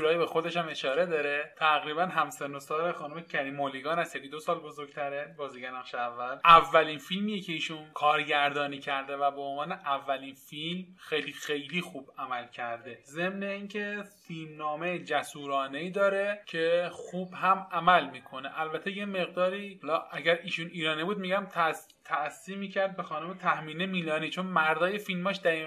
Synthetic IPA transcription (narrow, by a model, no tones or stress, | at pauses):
uɾɒːjibexo̞d̪e̞ʃhæme̞ʃɒːɾe̞d̪ɒːɾet̪ʰæɣɾiːbænɦæmsenosɒːɾexɒːnumecʰæɾiːmoliɡɒːnæsjekid̪osɒːlbo̞zoɾɡ̥t̪ʰæɾebɒːziːɟenæɣʃeævːælʔævːælinfilmijecʰe̞iːʃunkʰɒːɾɟæɾd̪ɒːniːcʰæɾd̪e̞væbeonvɒːneʔævːæliːnfilmxejliːxe̞jliːxuːb̥æmælcʰæɾd̪e̞ze̞mne̞iːŋcʰe̞filmnɒːmejd͡ʒæsuːɾɒːne̞iːd̪ɒːɾe̞cʰexuːb̥hæmæmælmiːkʰo̞neʔælbæt̪ʰe̞je̞me̞ɣd̪ɒːɾiːhɒlɒːʔæɡæɾiːʃuːniːɾɒːnibuːd̪̚miːɡæmt̪ʰæ | t̪ʰæsːiːmiːcʰæɾd̪̚be̞xɒːnomet̪ʰæhmiːnemiːlɒːniːt͡ʃʰo̞nmæɾd̪ɒːjefilmɒːʃd̪æɾi